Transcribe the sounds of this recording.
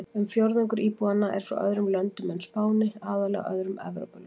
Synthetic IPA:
ɛmfjowɾðʏŋkʏɾiːpuanːaʔɛ̰ɾ̥fɾa̰wʔœ̰ðɾʏmlœnt̪ʏmɛnspʰaːwnɪaːðalɛ̰œ̰ðɾʏmɛ̰vɾo̰wpal

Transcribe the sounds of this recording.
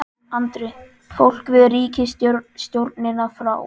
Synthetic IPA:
ant̪ɾɪ | fowl̥kvɪðriːcɪst̪st̪jowɾt̪nɪnːafɾa̰ːw

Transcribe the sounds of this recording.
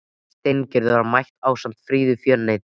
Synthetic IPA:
st̪ejncɛɾðʏaɾmajht̪aːwsam̥t̪fɾiːðʏfjœnnːejt̪

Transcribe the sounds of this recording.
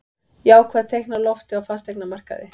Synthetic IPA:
jaːwkʰvɛaðt̪ʰejknalɔft̪ɪawfast̪ejknamar̥ka̰ðɪ̰

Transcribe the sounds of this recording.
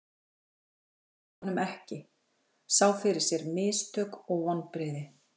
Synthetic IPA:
anːʏmɛhcɪ | saːwfɪɾɪɾ̥sjɛɾmɪːst̪ʰœːkɔɣvanːpɾɪːðɪ

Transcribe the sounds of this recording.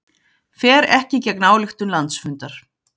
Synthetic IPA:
fɛːɾɛhcɪcɛknaːwlɪxt̪ʏmlant̪sfʏnt̪aɾ̥

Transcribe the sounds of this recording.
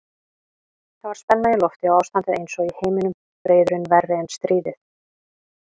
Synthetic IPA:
θavaɾ̥spɛnːaɪlɔft̪ɪawaːwst̪ant̪ɪðejnsɔɣiheːjmɪnʏm | pɾeːjðɾʏnvɛrːɪɛnst̪ɾiːðɪθ

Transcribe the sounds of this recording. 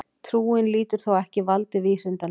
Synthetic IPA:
t̪ʰɾuːɪnliːt̪ʏɾ̥θowɛhcɪvalt̪ɪviːsɪnt̪a

